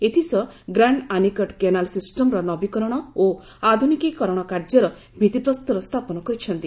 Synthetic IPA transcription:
et̪ʰisɔɡɾaɳɖanikɔʈkenalsisʈɔmɾɔnɔbikɔɾɔɽ̃ɔo | ad̪ʱunikikɔɾɔɽ̃ɔkaɾd͡ʒɔɾɔ | bʱid̪ipɾɔst̪uɾɔst̪ʰapɔnɔkɔɾit͡ʃʰɔnt̪i

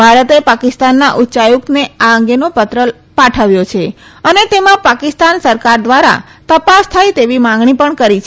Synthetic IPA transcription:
bʱaɾət̪epakɪst̪anːaʔutːt͡ʃajukneaəŋɡenopət̪ɾəl | paʈʰəʋjot͡ʃʰe | ənet̪emãpakɪst̪ansəɾkaɾd̪ʋaɾa̰t̪əpast̪ʰajt̪eʋimãŋɡɳipəɳkəɾit͡ʃʰ

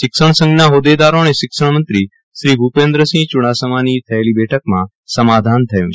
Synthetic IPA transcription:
ʃɪkʃəɳ̃sə̃ŋɡnaɦod̪ed̪aɾoneʃɪkʃəɳmənt̪ɾi | ʃɾibʱupẽnd̪ɾəsĩt͡ʃʊɽ̃asəmanit̪ʰəelibɛʈʰək̚mã | səmad̪ʱant̪ʰəjũ

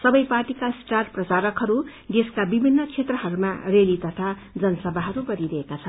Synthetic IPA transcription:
sʌbʌjparʈikasʈarprʌsaɾʌkɦʌɾu | d̪eskabibʱinːʌt͡sʰet̪rʌɦʌɾuma̰relit̪ʌt̪ʰa | d͡zʌnʌsʌbʱaɦʌɾuɡʌɾiɾʌɦekat͡sʰʌn

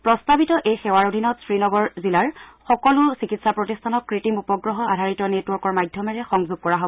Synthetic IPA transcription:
pɹɔstabitɔʔejxɛwaɹodʱinɔtsɹinɔɡɔɹzilaɹxɔkɔlʊsikitsapɹotistʰanɔk̚kɹitimupɔɡɹɔɦɔadʱaɹitɔnetwɔɹkɔɹmajdʱjɔmɛɹɛxɔŋzuɡ̚kɔɹaɦobɔ

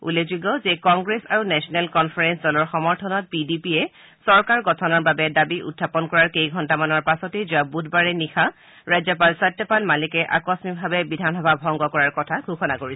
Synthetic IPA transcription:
ṵlezuɡɔzɛkɔŋɡɹesa̰ɹunɛsɔnɛlkɔnpʰaɹɛnsdɔlɔɹxɔmɔɹtʰɔnɔt̚pidipiɛ | sɔɹkaɹɡɔtʰɔnɔɹbabɛdabiʔṵdʱːapɔnkɔɹaɹkejɡʱɔntamanɔɹpasɔtezuabudʱbaɹɛnixʰa | ɹajzɔpalsadɔpalmalikɛʔa̰kɔsmibʱabɛbidʱanɦɔbʱabʱɔŋɡɔkɔɹaɹkɔtʰaɡʱuxɔnakoɹisɛ

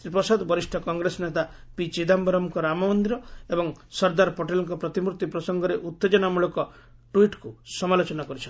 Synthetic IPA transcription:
ɾipɔsad̪ɔbɔɾisʈʰɔkɔŋɡɾesɔnet̪a | pit͡ʃid̪ambɔɾɔmkɔɾamɔmɔnd̪iɾɔebɔŋsɔɾd̪aɾpoʈelɔŋk̬ɔpɾɔt̪imuɾt̪ipɾɔsɔŋɡɔɾeʔut̪ːed͡ʒɔnamuɭɔkɔ | ʈuiʈkusɔmalot͡ʃɔnakɔɾit͡ʃʰɔn

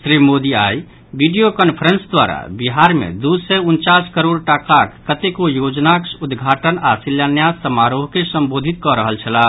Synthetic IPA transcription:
sɾimod̪iaj | biɖijokənpʰəɾənsd̪wa̰ɾa̰biɦaɾmḛd̪usɛunt͡ʃaskəɾoɽʈakakːət̪ekojod͡ʒnakud̪ɡʱaʈənasiljanjasəmaɾoɦkesəmbod̪ʱit̪̚kɔɾəɦəlt͡ʃʰəla

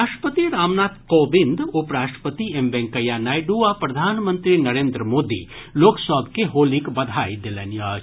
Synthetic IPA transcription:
aːʃʈəpət̪iɾaːmnaːt̪koːbɪnd̪ʊpɾaːʃʈə̥pət̪iembɛ̃ŋkəjanaːjɖuapɾɐd̪ʱaːnmə̃nt̪ɾinɐɾẽːnd̪ɾəmoːd̪ḭ | loːksɔbkeɦoːlikbɐd̪ʱaːid̪ɪlenja

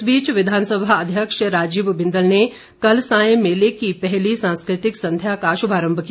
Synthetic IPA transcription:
biːt͡ʃʋɪd̪ʱaːnsəbʱaɐd̪ʱjəkʃɾaːd͡ʒiːbbɪ̃nd̪əlne | kɐlsãːjə̃meːlekipɛɦlisãːnskɾɪt̪ɪksɐ̃nd̪ʱjaːkaːʃʊbʱaːɾə̃mbʱki

